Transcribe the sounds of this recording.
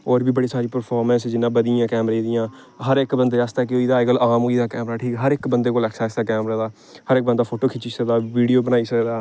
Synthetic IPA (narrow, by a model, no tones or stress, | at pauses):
ɔːɾbiːbəɽiːsaːɾiːpəɾpʰaːɾmɛ̃nsd͡ʒɪnːãːbəd̪ɪãːkɛːmɾed̪ɪjãː | ɦəɾɪkbənd̪eːast̪aːkeoːiːd̪aːekəlʔaːmɦoːiːd̪aːkɛːmɾaːʈʰiːkɦəɾɪkbənd̪eːkoːləkʰsaːɪsd̪aːkɛːmɾaːd̪aː | həɾɪk̚bənd̪aːpʰoːʈoːkʰɪt͡ʃiːsək̚d̪aːʋiːɖijoːbənaːiːsəkd̪aː